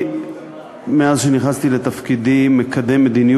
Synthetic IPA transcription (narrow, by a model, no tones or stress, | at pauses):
meazʃeniχast̪ilet̪afkid̪imːekʰad̪emːed̪inij